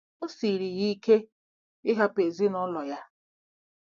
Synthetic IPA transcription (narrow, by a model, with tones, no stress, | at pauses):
o˦si˨ɾi˨ɣi˦kʰe˦ | ɪ˦ɦa˦pe˨zi˦nɔ˦lɔ˨ja˦